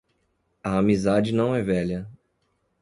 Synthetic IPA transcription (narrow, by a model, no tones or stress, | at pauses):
ɐamizad͡ʒɪnɐ̃w̃ɛvɛʎɐ